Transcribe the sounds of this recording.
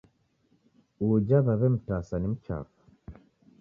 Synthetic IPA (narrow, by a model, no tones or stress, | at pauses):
ud͡ʒaβaβɛm̩tasanim̩t͡ʃa̰ːfḁ